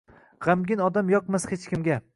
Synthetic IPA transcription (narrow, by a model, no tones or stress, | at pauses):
ʁamɡʲɪnɒd̪amjɒq̚mashet͡ʃkʲɪmɡʲa